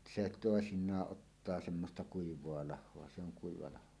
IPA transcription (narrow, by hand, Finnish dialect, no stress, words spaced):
se toesinˑɑːʔ ʔotːɑː semːostɑ kuiʋˑoɑ lɑhˑoɑ se oŋ kuiʋɑ lɑho